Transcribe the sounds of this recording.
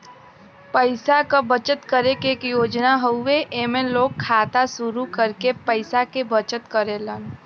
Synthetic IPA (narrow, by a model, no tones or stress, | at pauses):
pəɪsakabət͡ʃət̪kəɾekeːkjoːd͡ʒnaɦəʊːeʔemẽloːɡ̚kʰːaːt̪asʊɾukəɾkepəɪsakebət͡ʃət̪kəɾelən